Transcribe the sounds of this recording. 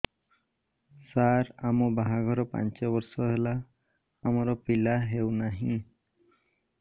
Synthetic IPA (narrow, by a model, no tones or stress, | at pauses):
saɾamɔbaɦaɡʱɔɾɔpa̰nt͡ʃeβɔɾsɔɦela | amɔɾɔpilaɦewnaɦĩ